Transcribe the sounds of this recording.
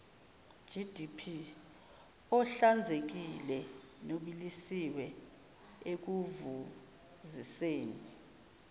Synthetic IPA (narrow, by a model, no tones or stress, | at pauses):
ʒ̥ʱid̥ʱipʰi | ɔɬand͡zʱek̬ilɛ | noɓilisiwɛ | ek̬uvu | ziseːni